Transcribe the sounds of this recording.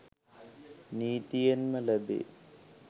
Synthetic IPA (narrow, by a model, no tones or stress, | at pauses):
niːt̪ijɐnmɐlɐbḛ